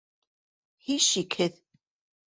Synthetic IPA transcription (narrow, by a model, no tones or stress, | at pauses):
hiʃikʰɘð